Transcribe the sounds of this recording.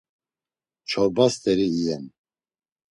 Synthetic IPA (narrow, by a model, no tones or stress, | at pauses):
t͡ʃʰɔɾbast̪ʰɛɾiːɛn